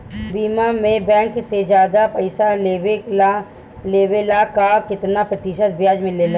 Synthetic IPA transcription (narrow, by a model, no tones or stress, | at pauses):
biːmamẽbɛ̃ːŋksed͡ʒjaːd̪apɐɪsalee | leːwelakakɪt̪napɾət̪ɪʃət̪̚bjaːd͡ʒmẽlel